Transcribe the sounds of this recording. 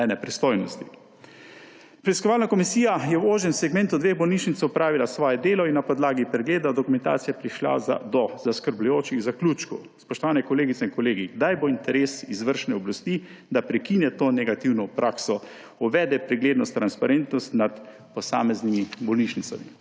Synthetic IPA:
ɛnɛpɾist̪oːjnɔst̪i | pɾɛiskɔʋaːlnakɔmisiːjajɛwoːʒɛmsɛɡmɛ̃nt̪ud̪ʋeːɣbɔlniʃnit̪sʊpɾaːʋilasʋɔːjɛd̪eːlɔinːapɔd̪laːɡipɾɛɡleːd̪ad̪ɔkumɛnt̪a̰ːt̪sijapɾiʃla̰za̰d̪ɔzaskəɾblujoːt͡ʃiɣzakluːt͡ʃkɔspɔʃt̪ɔʋaːnɛkɔleːɡit̪sɛiŋkɔleːɡiɡd̪ajboint̪ɛɾeːsizʋəɾʃnɛɔblast̪iːd̪apɾɛkiːnjɛt̪oːnɛɡat̪iwnɔpɾaːksɔ | ɔʋɛːd̪ɛpɾɛɡleːd̪nɔst̪ːɾanspaɾent̪nɔst̪nat̪ | pɔsa̰ːmɛznimibɔlniʃnit̪sa̰mi

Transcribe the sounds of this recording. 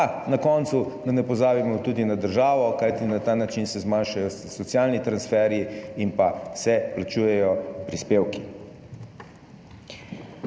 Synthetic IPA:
nakɔnt̪sud̪anɛpɔzaːbimɔt̪uːd̪inad̪əɾʒaːʋɔkajt̪inat̪aːnat͡ʃinsɛzmaːnʃajɔsɔt̪sijaːlnit̪ɾansfɛɾjiinpasɛplat͡ʃuːjɛjɔpɾispeːwki̥

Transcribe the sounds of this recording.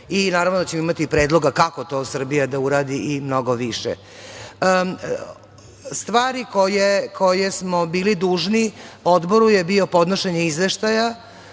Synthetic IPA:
inaːɾavʋnod̪at͡ɕemoimat̪ipɾe̞ːd̪lˠo̞ɡakako̞t̪o̞ːsr̩bijad̪auɾaːd̪iʔimno̞ɡo̞ʋiʃɛ̰ | st̪ʋaːɾiko̞jekʰo̞jesmo̞biːlid̪uːʒniod̪bo̞ɾuje̞bio̞po̞d̪noʃeɲeizʋeʃt̪aja

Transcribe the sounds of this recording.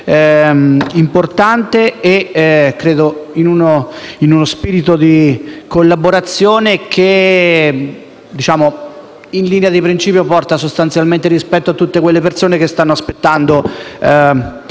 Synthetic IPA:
import̪ant̪eekːɾeːd̪oinunoinunospiːɾit̪od̪ikolːaboɾat̪sːjoːnekʰe | d̪it͡ʃaːmo | inliːnead̪ipɾint͡ʃiːpjopɔrt̪asost̪ant̪sjalment̪eɾispɛt̪ːoat̪ːut̪ːekwelːepersoːnekest̪anːoaspet̪ːand̪o

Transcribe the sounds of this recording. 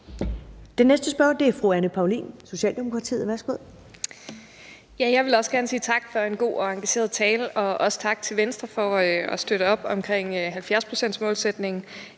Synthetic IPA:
d̥enːesd̥əsb̥ɶɐ̰d̥e̝æɐfʁuænəpʰɑ̈ʊlḭːnso̝ɕɛ̰ːld̥e̝mo̝kʰʁɑ̈t͡sʰḭːð̩ˠʋæɐsɡ̥o̝ð̰ˠ | jæjɑ̈ɪʋe̝lɒ̽səɡ̥æɐnəsiːt͡sʰɑ̈ɡ̥fɒ̽e̝nɡ̥o̝̰ːɒ̽ɑ̈ŋɡ̥æɕe̝̰ɐð̞ˠt͡sʰɛːləɒ̽ʔɒ̽sə̥t͡sʰɑ̈ɡ̥̚t͡sʰe̝lʋensd̥ʁɐfɒ̽ɒsd̥øɾ̥əɒ̽b̥ɒ̽mkʰʁɛŋ̰ɦælfjæɐspʰʁo̝̥sen̰d̥smɔ̽ːlsed̥ne̝ŋ̩

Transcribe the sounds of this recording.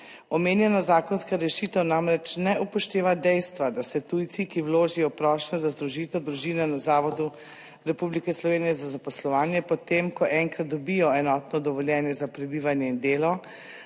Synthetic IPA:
ɔmeːnjɛnazaːkɔnskaɾɛʃit̪ɛwnamɾɛt͡ʃnɛupɔʃt̪eːʋad̪ɛjst̪ʋad̪asɛt̪ujt̪sikiwloːʒijɔpɾɔːʃnɔzazd̪ɾuʒit̪ɛwd̪ɾuʒiːnɛnazaːʋɔd̪u | ɾɛpublikɛslɔʋeːnijɛzazapɔslɔʋaːnjɛpɔt̪eːmkɔʔɛŋkɾat̪̚d̪ɔbijɔɛnɔt̪nɔd̪ɔʋɔljɛnjɛzapɾɛbiːʋanjɛind̪eːlɔ

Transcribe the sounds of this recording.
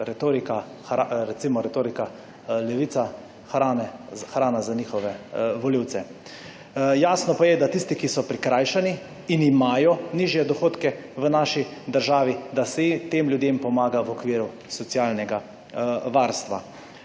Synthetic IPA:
ɾɛt̪oːɾikaxaɾɛt̪simɔɾɛt̪oːɾika | lɛʋiːt̪sa | xɾaːnɛxɾaːnazaniːxɔʋɛʋɔliwt̪sɛ | jaːsnɔpajɛd̪at̪ist̪ikisɔpɾikɾaːjʃaniː | nimaːjɔniːʒjɛd̪ɔxoːt̪kɛʋənaːʃid̪əɾʒaːʋid̪asɛt̪eːmljud̪eːmpɔmaːɡaʋɔkʋiːɾu | sɔt̪sjaːlnɛɡa | ʋaɾst̪ʋa̰

